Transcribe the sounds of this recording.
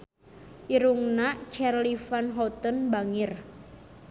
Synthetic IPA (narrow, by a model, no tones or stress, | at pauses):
ʔiɾuŋnaʔt͡ʃarlifanɦɔt̪ənbaŋɪr